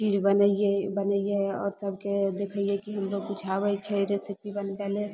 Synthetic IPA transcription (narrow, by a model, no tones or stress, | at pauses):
t͡ʃid͡ʒbənəiebənəijeɔ̰ːɾsəbʱked̪ekʰəijekiɦəmloɡ̚put͡ʃʰabət͡ʃʰɛɾesəpibənpɛle